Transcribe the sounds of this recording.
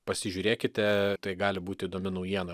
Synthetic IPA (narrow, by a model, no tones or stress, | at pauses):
pɐsʲɪʒʲuːɾʲeːkʲɪt̪ʲɛt̪ɐɪɡɑːlʲɪbuːt̪ʲɪiːd̪oːmʲɪnɐʊjiɛnɐ